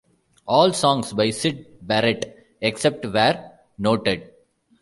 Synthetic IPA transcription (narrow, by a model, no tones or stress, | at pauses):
ɔːlsɔ̃ːŋsbaɪsɪɖ̚bæɾeʈ | eksep̚ʈʋɛːɾ | noːʈeɖ̚